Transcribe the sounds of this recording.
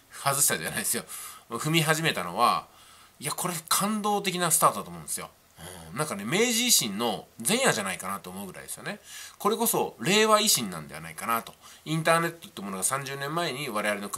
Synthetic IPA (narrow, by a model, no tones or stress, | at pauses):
hazɨɕi̥t̪ad̪ea̰naid̪esɨjoɸɯ̟mʲiɦaʑime̞t̪ano̞̰βa̰ | iako̞ɾe̞kʰãnd̪o̞ːt̪e̞k̬ʲinasɨ̥t̪aːt̪od̪at̪omõːnd̪esɨjo̰ | ɯ̟̰̃nãŋkane̞me̞ːʑiːɕĩnːo̞zẽ̞ɰ̃jaʑanaikanat̪oːmo̞ɯ̟ɡɯ̟ɾa̰ḭd̪e̞sɨjo̞ne̞ko̞ɾe̞ko̞so̞ɾe̞ːβaiɕĩnːã̰nd̪e̞a̰na̰ikanat̪o̞ĩnt̪̬aːne̞t̪ːot̪ːemo̞noɡasãɲ̟d͡ʑɨːnẽmːae̞ɲ̟iβaɾe̞β̞aɾʲeno̞k